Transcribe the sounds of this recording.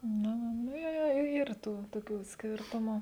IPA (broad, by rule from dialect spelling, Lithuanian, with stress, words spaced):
ˈnʊ ˈnʊ nʊ ˈjoː joː ˈiːr ˈtuː toːˈkʲuː ˈsʲkʲeːrtʊmʊ